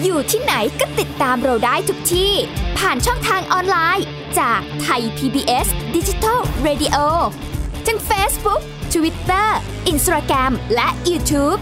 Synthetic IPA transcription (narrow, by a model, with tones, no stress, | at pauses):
juː˨˩t̪ʰiː˥˩na˩˦jkɔː˥˩t̪i˨˩t̪ːaː˧mɾa˧wdaː˥˩jt̪ʰu˨˩k̚t̪ʰiː˥˩pʰaː˨˩nt͡ɕʰɔ˥˩ŋt̪ʰaː˧ŋʔɔː˧nlaː˧j | t͡ɕaː˨˩k̚t̪ʰa˧jp̪ʰiː˧biː˧ʔe˦˥sdi˧t͡ɕi˦˧t̪ʰa˥˩ɾeː˧di˧ʔoː˧ | t̪ʰa˥˩ŋfeː˦˥sbu˦˥k̚t̪ʰu˧wi˦˥t̪ːɤː˥˩ | ʔi˧nsɾaː˧kɾɛ˧mlɛ˦˥ʔjuː˧t̪ʰuː˦˥p̚